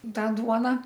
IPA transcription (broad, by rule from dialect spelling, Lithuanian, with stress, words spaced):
ˈtɑː ˈduɔnɐ